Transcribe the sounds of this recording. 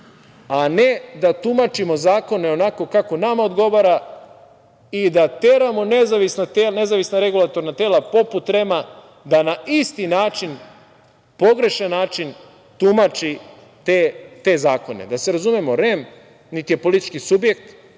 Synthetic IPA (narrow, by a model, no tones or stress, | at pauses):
ane̞d̪at̪umat͡ʃimo̞zaːko̞ne̞o̞nako̞kako̞namao̞d̪ɡo̞ʋaɾa | id̪at̪e̞ɾamo̞ne̞zaʋisnat̪elne̞zaʋisnaɾe̞ɡulˠat̪o̞ɾnat̪eːlapo̞put̪ɾe̞ma | d̪anaist̪inaːt͡ʃin | po̞ɡɾe̞ʃanːaːt͡ʃin | t̪umat͡ʃi | t̪et̪e̞zaːko̞ne̞̰d̪ase̞ɾazumjemo̞ɾem | nit̪ije̞polit̪i̥t͡ʃkisubje̞k̚t̪